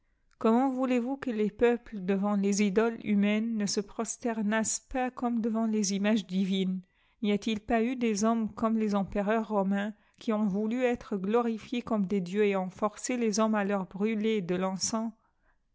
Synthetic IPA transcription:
kɔmɑ̃vulevukəlepœpləd̪əvɑ̃lezid̪ɔly̰mɛnːəsəpχɔst̪ɛʁnaspakɔmd̪əvɑ̃lezimaʒd̪ivin | nijat̪ilpayd̪ezɔmkɔmlezɑ̃pəʁœʁːɔmɛ̃ | kʰʲiɔ̃vulyɛt̪χəɡlɔʁifjekɔmd̪ed̪jøeɑ̃fɔʁselezɔmalœʁbʁyled̪əlɑ̃sɑ̃

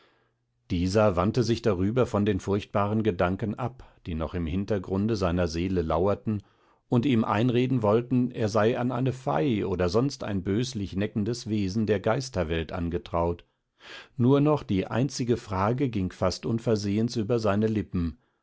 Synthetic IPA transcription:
d̥iːzɐvantəzɪçd̥aʁyːbɐfɔndeːnfʊɐçt̚b̥aːʁənɡədaŋkən̩ʔapd̥iːnɔ̰χɪmhɪntɐɡʁʊndəzaɪnɐzeːləla̰ʊɐtn̩ | ʔʊntiːmʔa̰ɪnʁeːdn̩vɔltn̩ʔeːɐzaɪʔanʔa̰ɪnəfa̰ɪʔoːdɐzɔnsta̰ɪnbøːslɪçnɛkn̩dəsv̥eːzn̩deːɐɡaɪstɐvɛltʔa̰nɡətʁ̥aʊt | nuːɐnɔχd̥iːʔa̰ɪ̃nt͡sɪɡəfʁ̥aːɡəɡɪŋfastʔʊnfɛɐzeːənsyːbɐzaɪnəlɪpm̩

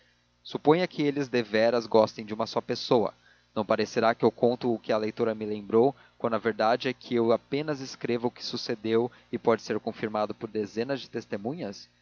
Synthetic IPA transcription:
supõj̃ɐkɪelɪzd̪evɛɾɐzɡɔst̪ẽj̃d͡ʒɪũmɐsɔpesowɐ̰ | nɐ̃w̃paɾeseɾakɪewkõnt̪ʊːkɪɐlejt̪oɾɐmɪlẽmbɾow | kwɐ̃nd̪ɐveɾd̪ad͡ʒɪɛkʰɪewapẽnɐzɪskɾevʊʊkɪ̥sused̪ew | ɪpɔd͡ʒɪseɾkõfiɾmad̪ʊpʊɾd̪ezẽnɐzd͡ʒɪt̪est̪emũɲɐs

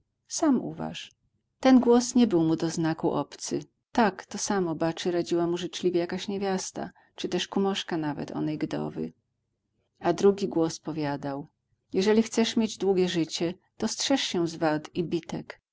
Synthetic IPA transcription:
samṵva̰ʂ | t̪ɛnɡwɔsɲɛbɘwmud̪ɔznakuʔɔpt̪sɘ | t̪akt̪ɔsamɔbat͡ʂɘɾad͡ʑiwamuʐɘt͡ʂlʲivʲjejakaɕɲevʲjast̪a̰ | t͡ʂɨt̪ɛʂkumɔʂkanavɛ̰t̪ʰɔ̰nɛjɡd̪ɔ̰vɘ̰ | ad̪ɾuɡʲiɡwɔspɔvʲjad̪aw | jɛʐɛlʲixt̪sɛʂmʲjed͡ʑd̪wuɡʲɛʐɘt͡ɕɛ | t̪ɔstʂɛʂɕɛzvat̪ibʲit̪ɛk

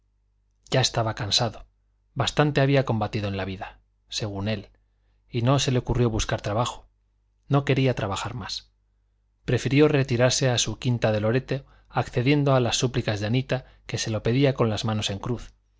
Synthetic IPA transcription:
ɟ͡ʝae̞st̪aβakansaðo̞ | bast̪ant̪e̞aβiako̞mbat̪iðoenlaβiða | se̞ɣ̞une̞l | ino̞se̞leo̞kurjo̞βuskaɾt̪ɾaβaxo̥ | no̞ke̞ɾiat̪ɾaβaxaɾmas | pɾe̞fiɾjo̞re̞t̪iɾaɾse̞asukint̪aðe̞lo̞ɾe̞t̪e | akθe̞ðje̞nd̪oalasːuplikazðeanit̪a | ke̞se̞lo̞pe̞ðiako̞nlazmãno̞se̞ŋkɾuθ

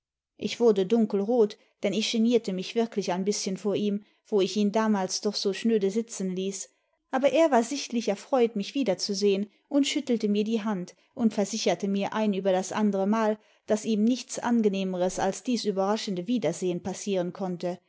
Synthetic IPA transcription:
ʔɪçv̥ʊɐdədʊŋkl̩ʁoːt | d̥ɛnɪçʒ̥eniːɐtəmɪçv̥ɪɐklɪçaɪnbɪsçənfoːɐʔiːm | v̥oːɪçiːndaːmaːlsd̥ɔχz̥oːʃnøːdəzɪt͡sn̩liːs | ʔaːbɐʔeːɐvaːɐzɪçtlɪçɛɐfʁ̥ɔʏtmɪçv̥iːdɐt͡suzeːən | ʔʊntʃʏtl̩təmiːɐdiːɦant | ʔʊntfɛɐzɪçɐtəmiːɐʔaɪnyːbɐdasʔandəʁəmaːl | d̥asiːmnɪçt͡sʔa̰nɡəneːməʁəsalsd̥iːsyːbɐʁaʃn̩dəviːdɐzeːənpasiːʁ̞ənkʰɔntə

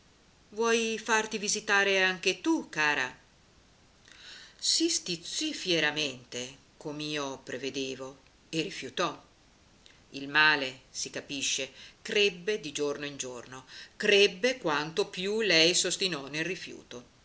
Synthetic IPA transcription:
vwɔjfart̪ivizit̪aːɾeaŋk̟et̪ukaːɾa | sist̪it̪sːifjeɾament̪e | komiːopɾeved̪eːvo | erifjut̪ɔ | ilmaːlesikapiʃːekɾebːed̪id͡ʒornoind͡ʒornokɾebːekwant̪opjulɛjsost̪inɔnelrifjṵːt̪o

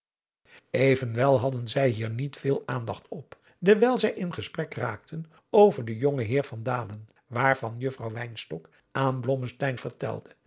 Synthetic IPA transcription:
ejvənʋɛlˠɦɑdənzɛjɦiːɹnitfɪːlˠaːndɑχtʰɔp | dəɹʋɛlˠzɛjʔɪnχəsprɛkra̰ːk̚tʰən | owvəɹdəjɔŋəɦɪːɹvɑndaːlən | ʋaːɹvɑnjɵfrɑwʋɛjnstɔk | ʔaːnblɔməstɛjnvəɹtɛ̰lˠdə

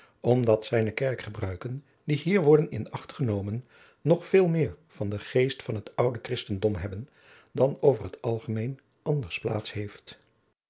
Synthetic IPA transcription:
ɔmdɑtsɛjnəkɛɹkχəbrœɥkən | diɦiːɹʋɔɹdənɪ̰nɑχtχənowmənː | ɔχfɪːlˠmɪːɹv̥ɑndəχejstfɑnɦətʌwdəkrɪstəndɔmɦɛbən | dɑnowvərɦətɑlˠχəmejn | ʔɑndəɹspla̰ːtsɦejft

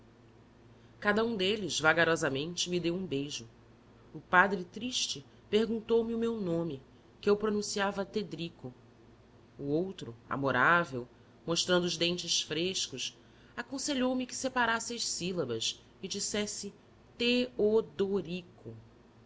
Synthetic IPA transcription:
kad̪ɐũd̪elɪzvaɡaɾɔzɐmẽnt͡ʃɪmid̪ewũbejʒʊ | ʊpad̪ɾɪt̪ɾiʃt͡ʃɪ | peɦɡũnt̪owmɪʊmewnõmɪ | kɪewpɾonũsiavɐt̪ed̪ɾikʊ | uowt̪ɾʊa̰moɾavew | moʃt̪ɾɐ̃nd̪ʊʒd̪ẽnt͡ʃɪsfɾeʃkʊʃ | akõseʎowmɪkɪ̥sepaɾasɪɐʃsilɐbɐs | ɪd͡ʒisɛsɪ | t̪eod̪oɾikʰʊ

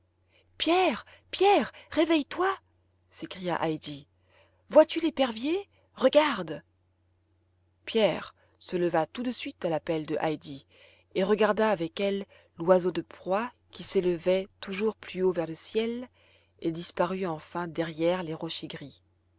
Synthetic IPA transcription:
pjɛʁ | pjɛʁʁevɛjt̪wa | sekχija̰ʔajd̪i | vwat̪ylepɛʁvje | ʁəɡaʁd̪ | pjɛʁ | sələvat̪ud̪əsɥit̪alapɛld̪əʔajd̪i | eʁəɡaʁd̪aːvɛkɛlː | wazod̪əpχwa | kʲiseləvɛt̪uʒuʁplyovɛʁləsjɛl | ed̪ispaʁyɑ̃fɛ̃d̪ɛʁjɛʁleʁɔʃeɡʁi

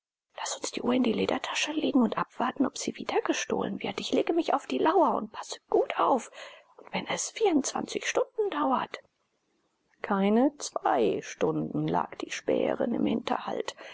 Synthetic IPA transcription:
lasʊnsd̥iːʔuːɐɪndiːleːdɐtʰḁʃəleːɡŋ̩ʊntʔapv̥aɐtn̩ɔpz̥iːviːd̥ɐɡəʃto̰ːlənvɪɐtɪçleːɡəmɪçaʊfd̥iːlaʊɐʊ̰nt̚pʰḁsə̥ɡ̥uːtʔaʊfʔʊntv̥ɛnɛsfiːɐʊntt͡sv̥a̰nt͡sɪçʃtʊndn̩daʊɐt | kʰaɪnət͡sv̥aɪʃtʊndn̩la̰ːkd̥iːʃpɛ̰ːə̰ʁɪ̰nɪ̰mhɪntʰɐ̰ha̰lt

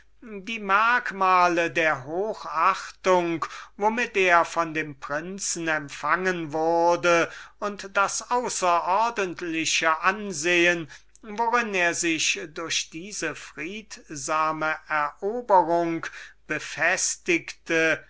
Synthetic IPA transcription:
diːmaɐkmaːlədeːɐɦoːxaχtʊŋkvomɪteːɐfɔndeːmpʁ̥ɪnt͡sn̩ɛmfaŋənvʊʁɐdəʊntd̥asʔaʊsɐʔɔɐdəntlɪʃəʔanzeːən | voʁɪneːɐzɪʃdʊɐʃd̥iːzəfʁ̥iːtzaːməʔɛɐʔoːbəʁʊŋkb̥əfɛstɪktə

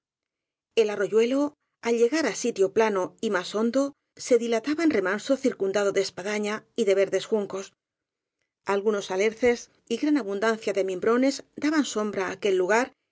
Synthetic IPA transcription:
e̞laro̞ʝwe̞lo̞ | alʎe̞ɣaɾasit̪jo̞plano̞imaso̞nd̪o̞ | se̞ðilat̪aβanre̞manso̞θiɾkund̪að̞o̞ðespaðaɲaiðe̞β̞e̞ɾðe̞sxuŋko̞s | alɣuno̞sale̞ɾθe̞s | iɣɾanaβund̪anθjaðe̞mĩmbɾo̞ne̞zd̪aβanso̞mbɾaːke̞lːuɣ̞aɾ

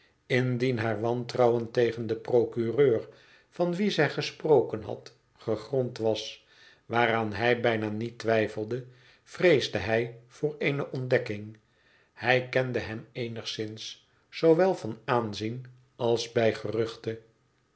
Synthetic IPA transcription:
ɪndinɦaːɹʋɑntrɑwəntejχəndəprowkyrøːr | fɑnʋizɛjχəsprowkənɦɑ̰t | χəχrɔntʋɑs | ʋaːraːnɦɛjbɛjnaːnitʋɛjfəlˠdə | v̥rejzdəɦɛjv̥ʊːɹeɪnəʔɔndɛkɪŋ | hɛjkɛndəɦɛmejnəχsɪns | soʋɛlˠvɑnaːnzin | ɑlˠzbɛjχərʏχtə

